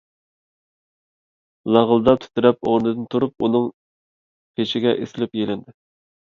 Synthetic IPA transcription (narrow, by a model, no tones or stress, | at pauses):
lˠɑʁəlˠd̪ɑt̪ʰt̪ʰɪɾɛp̚onɨd̪ɨnt̪ʰuɾup̚unɨŋ | pʰet͡ʃʰɪɡʲɛʔesɪlɪpjelɪnd̪ɪ